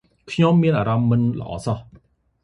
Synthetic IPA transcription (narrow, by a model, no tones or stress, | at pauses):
kʰɲomːiənʔaːɾɑmːɨnlə̰̆ʔɑ̰ːsɑh